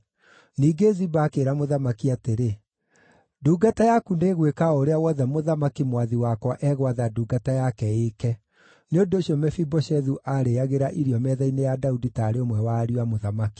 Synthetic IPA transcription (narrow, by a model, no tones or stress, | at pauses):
niːɡezibakeɾamoðamakiateɾe | duːɡatajakuneɣwekaoɾeawɔðɛmoðamakimwaðiwakwaʔɛɣwaðaduːɡatajakɛekɛ | neondoːɕiɔmɛfibɔʃɛðuʔaɾeaɣeɾaʔiɾiɔmɛðainejadauditaːɾeomwɛwaɾiwamoðamaki̥